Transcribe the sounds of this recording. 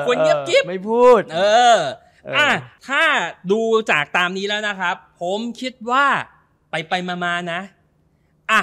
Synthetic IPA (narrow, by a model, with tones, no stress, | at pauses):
kʰu˧ənki˦˥pki˦˥ma˥˩jpʰuː˥˩t̪ʔɤː˧ | ʔa˧˩t̪ʰaː˥˩duː˧t͡ɕaː˨˩k̚t̪aː˧mniː˦˥lɛː˦˥wna˦˥kʰɾa˦˥pʰːo˩˦mkʰi˦˥t̪̚waː˥˩ | pa˧jpa˧jmaː˧maː˧na˦˥ʔ | ʔa˧˩